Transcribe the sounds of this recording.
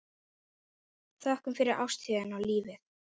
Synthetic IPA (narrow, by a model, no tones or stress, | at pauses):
θaɛhkʏmfɪɾɪɾʔa̰wst̪iðɪnawliːvɪθ